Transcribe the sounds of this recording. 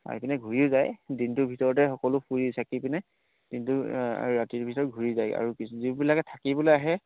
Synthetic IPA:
a̰ɹipinɛɡʱuɹiʊzajdintʊbʱitɔɹɔtɛxɔkɔlʊpʰuɹisakipinɛ | d̥intʊa̰ɹuɹatibʱitɔɹɔɡʱuɹizaja̰ɹukiszibilakɛtʰakibɔleaɦɛ

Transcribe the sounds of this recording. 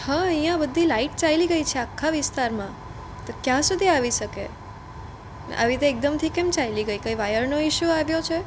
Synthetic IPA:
hãəɦjjãbəd̪ʱːilaiʈ̚t͡ʃailiɡəit͡ʃʰeakʰːaʋɪst̪aɾmã | t̪okjãsud̪ʱiaʋiʃəkḛ | a̰ʋit̪eːk̚d̪əmt̪ʰikemt͡ʃailiɡəikəiʋajəɾnoɪʃjuaʋjot͡ʃʰe

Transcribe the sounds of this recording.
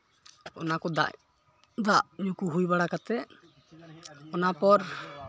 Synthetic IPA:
ɔ̰nakɔd̪a̰ʔ | d̪aʔɲũkuɦujbaɽakat̪ɛ | ɔnapɔɾ

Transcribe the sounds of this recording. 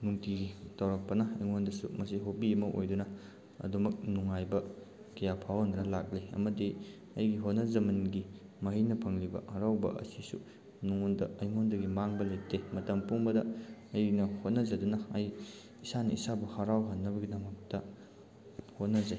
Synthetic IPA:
nuŋtiɡitʰɐwɾɐk̚pɐnɐɐjŋondɐsṵmɐsiɦopiɐmɐʔo̰jdunɐ | ɐ̰dumɐk̚nuŋajbɐ | kijapʰawnɐɾɐlak̚liɐ̰mɐdi | ɐjɡiɦot̚nɐzɐminɡi | mɐɦijnɐpʰɐŋlibɐ̰haɾawbɐ̰ʔɐ̰sisṵ | nuŋondɐ̰ɐjŋondɐɡimaŋbɐletʰːemɐtɐmpuŋbɐdɐɐjnɐhot̚nɐzɐdunɐɐj | isanɐisabɐhaɾawɦanːɐbɐɡidɐmɐk̚tɐ | hot̚nɐze

